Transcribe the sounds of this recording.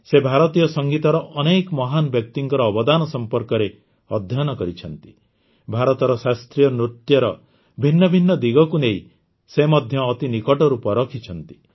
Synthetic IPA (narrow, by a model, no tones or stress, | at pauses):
sebʱaɾɔt̪ijɔsɔŋɡit̪ɔɾɔʔɔnekɔmɔɦanɔbjɔk̚t̪iŋkɔɾɔːbɔd̪anɔsɔmpɔɾkɔɾe | ɔd̪ʱjɔnɔkɔɾit͡ʃʰɔnt̪i̥ | bʱaɾɔt̪ɔɾɔsast̪ɾijɔnɾut̪jɔɾɔ | bʱinːɔbʱinːɔd̪iɡɔkunei | semɔd̪ʱjɔːt̪inikɔʈɔɾupɔɾɔkʰit͡ʃʰɔnt̪i̥